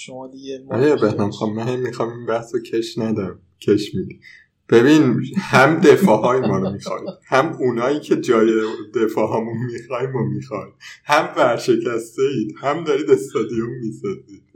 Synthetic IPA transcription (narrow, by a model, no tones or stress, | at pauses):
ʃd̪ʔjæɾbehnæmxɒmːæhæmːixɒːminbæhsocʰeʃnæd̪æm | cʰeʃmid̪i | b̥e̞binhæmd̪efɒːhɒːimɒːɾomixɒ̰id̪̥hæmunɒːiːcʰe̞d͡ʒɒːjed̪e̞fɒːɦɒːmunmixɒːimomixɒid̪hæmvæɾʃe̞cʰæst̪e̞iːd̪̥hæmd̪ɒɾiːd̪e̞st̪ɒd̪ijomːisɒziːd̪̥